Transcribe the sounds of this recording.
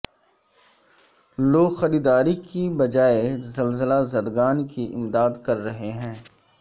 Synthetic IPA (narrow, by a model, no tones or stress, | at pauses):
loːɡxɐɾiːd̪aːɾikibɐd͡ʒaːezɐlzəlazɐd̪ɡaːnkiʔɪ̰md̪aːd̪kɐɾːɐɦeɦɛ̃ː